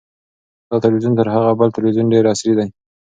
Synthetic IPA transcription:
d̪̥ɑt̪ɪlwizunt̪əɾɦaɣabəlt̪ɪlwizunɖeɾasɾid̪aj

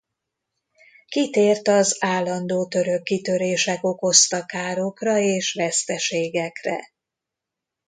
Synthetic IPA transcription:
kit̪eːrt̪ɒzaːlːɒnd̪oːt̪ø̞ɾø̞kːit̪øɾeːʃɛko̞ko̞st̪ɒkaːɾokrɒeːʃʋɛst̪ɛʃeːɡɛkrɛ̰

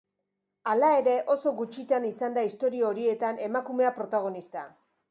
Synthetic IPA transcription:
alae̞ɾe̞ʔo̞so̞ɣut͡ʃit̪anisand̪aist̪o̞ɾiooɾie̞t̪ane̞makume̞apɾo̞t̪aɣ̞o̞nist̪a̰

